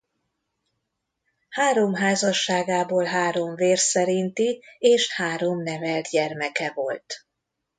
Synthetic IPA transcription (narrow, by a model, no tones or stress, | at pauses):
haːɾo̞mɦaːzɒʃːaːɡaːboːlɦaːɾo̞ɱveːrsɛɾint̪ieːʃhaːɾo̞mnɛvɛlt̪ɟɛrmɛkɛvo̞lt̪